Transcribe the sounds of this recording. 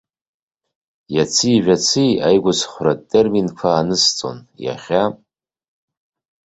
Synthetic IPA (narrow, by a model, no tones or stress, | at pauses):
jat͡sʰɨːʒᶣat͡sʰijajɡʷʊsχʷratʼːerminkʷʰaːnɨst͡sʼo̰nja̰χʲa